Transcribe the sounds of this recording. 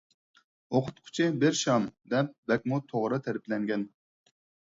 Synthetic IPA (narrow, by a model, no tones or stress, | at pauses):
oqʰʊ̥t̪̚qʰʊ̥t͡ʃʰɪbɪɾʃɑmd̪ɛp̚bɛk̚ʲmut̪ʰoʁɾɨt̪ʰæɾɪplɛŋɡʲɛn